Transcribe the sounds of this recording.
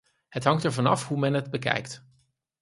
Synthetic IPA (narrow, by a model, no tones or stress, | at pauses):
hətɦɑŋtəɹvɑnɑfɦumɛnɦəd̚bəkɛ̰jkt